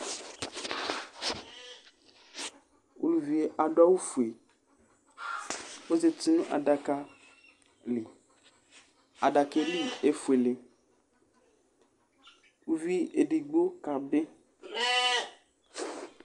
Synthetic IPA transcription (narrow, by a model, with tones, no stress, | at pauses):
ʔo̰˨lu˨vi˨e˨ʔa˨ɖɔ˦wu˦fu˨e˨ | wo˦ze˨ti˨nũ˦ʔa̰˨ɖa˨ka˦ | li˨ | a˨ɖa˨ke˨li˦e˦fu˨e˨le˨ | wu˦vi˦e˨ɖi˨ɡ͡bo˦ka˨be˦